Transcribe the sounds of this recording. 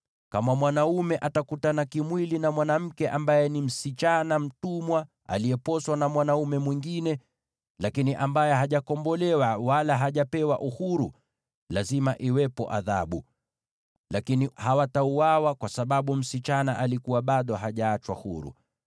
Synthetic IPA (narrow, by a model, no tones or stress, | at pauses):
kamamwanaumɛʔatakutanakimwilinamwanam̩kɛʔambajɛnim̩sit͡ʃanam̩tumwa | a̰liɛpɔswanamwanaumɛmwiŋɡinɛ | lakiniʔambajɛɦaʄakɔmbɔlɛwawalaɦaʄapɛwaʔuhuɾṵ | lazimaʔiwɛpɔ̰ʔa̰ða̰ɓu | lakinihawatauawakwasaɓaɓum̩sit͡ʃanaʔalikuwaɓaɗɔɦaʄaːt͡ʃwa̰hṵɾṵ